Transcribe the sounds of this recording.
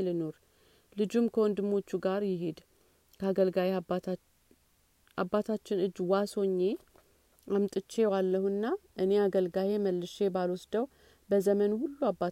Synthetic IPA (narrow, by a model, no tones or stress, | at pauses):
lɨno̞ɾ | lɨd͡ʒumkʰəwɔnd̪ɨmːo̞t͡ʃːuɡaɾjɪɦed̪ | kʰəaɡəlɡaje | ʔabːat̪ʰat͡ʃːɪnɨd͡ʒːwaso̞ɲːe̞ | ʔamt̪ʼɨt͡ʃːe̞walːəhuɨnːaʔɨne̞aɡəlɡaje̞məlːɨʃe̞balwɔsd̪əw | bəzəmənhulːuabːa